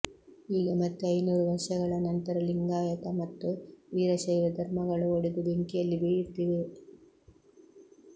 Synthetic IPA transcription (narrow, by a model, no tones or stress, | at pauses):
iːɡɐmɐt̪ːuɐjnuːɾuʋɐɾʂɐɣɐɭɐnɐnt̪ɐɾɐliŋɡaːjɐk̪ɐmɐt̪ːuʋiːɾɐʃɐjʋɐd̪ʱɐɾmɐɡɐɭuoɽid̪ubeŋkijɐlːibijit̪ːiʋi